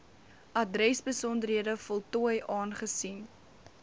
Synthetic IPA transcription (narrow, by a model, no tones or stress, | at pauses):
ʔɐdrɛsbəsɔndərɦiədəfɔlˠtuəjʔɑːnχəsin